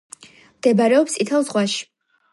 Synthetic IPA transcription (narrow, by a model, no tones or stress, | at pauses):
md̪̥ɛbaɾɛɔpst̪ʼit̪ʰɛlˠzʁwaʃi̥